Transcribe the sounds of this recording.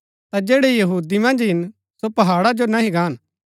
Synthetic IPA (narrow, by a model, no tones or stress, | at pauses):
t̪ad͡ʒeːɽejɐɦuːd̪imɐ̃nd͡ʒɦɪn | sopɐɦaːɽad͡ʒonaɦĩɡaːn